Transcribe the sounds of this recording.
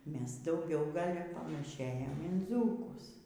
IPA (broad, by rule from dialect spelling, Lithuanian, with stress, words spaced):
ˈmʲɛs dɐʊˈɡʲɛʊ ˈɡɐlʲ pɐnɐˈʃʲeːjɛm ɪn ˈd͡zuːkʊs